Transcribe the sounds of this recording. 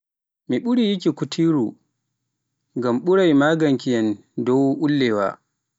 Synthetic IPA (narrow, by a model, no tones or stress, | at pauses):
miɓuɽijikʲikutʰiːɾu | ɡamɓuɾajmaːɡɐŋkijɐn | dɔwʔulːɛwa̰ː